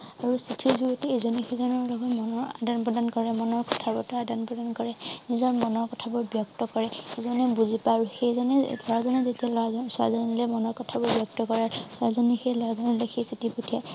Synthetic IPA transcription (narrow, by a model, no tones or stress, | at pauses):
aɹusitʰizuɡɔteezɔnɛxezɔnɔɹlɔɡɔtmɔnɔɹadanpɹɔdankɔɹɛmɔnɔɹkɔ̥tʰabɔɹtɔadanpɹɔdankɔɹɛnizɔɹmɔnɔɹkɔtʰabɔɹbjɔk̚tɔkɔɹɛezɔnɛbuzipaɹuxejzɔnɛdʱɔɹazɔnɛzetialɔasa̰zɔnlɛmɔnɔɹkɔtʰabɔɹbjɔk̚tɔkɔɹasuazɔnɛxejlɔɹazɔnɔlexejsitipotʰija